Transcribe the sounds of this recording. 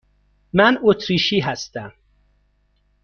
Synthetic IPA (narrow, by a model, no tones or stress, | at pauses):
mænot̪ʰɾiːʃiːɦæst̪æm